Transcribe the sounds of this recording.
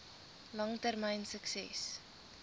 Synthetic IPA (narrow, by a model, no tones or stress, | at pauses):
lɐŋtərməjnsəksɛ̰s